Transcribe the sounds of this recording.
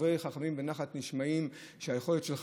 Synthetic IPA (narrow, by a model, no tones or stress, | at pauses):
ʁejχaχamimbenaχatniʃmaim | ʃeajexo̞lot̪ʃelχ